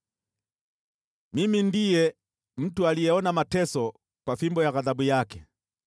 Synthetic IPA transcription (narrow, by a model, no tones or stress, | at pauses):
mimindijɛ | m̩tualijɛɔnamatɛsɔ | kwafimbɔjaɣaðabujakɛ